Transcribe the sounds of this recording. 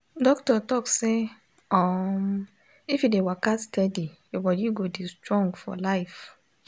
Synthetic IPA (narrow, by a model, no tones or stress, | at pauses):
dɔktɔtɔkse | ɔm | ifjidewakastʰɛdi | obɔdiɡodistɹɔ̃ŋɡfɔ̰laɪf